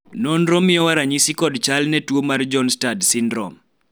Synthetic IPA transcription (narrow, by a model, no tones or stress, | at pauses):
nɔnɾɔmɪjɔwaɾaɲisikɔdt͡ʃalnɛtwomard͡ʒɔnstadsɪndɾɔ̰m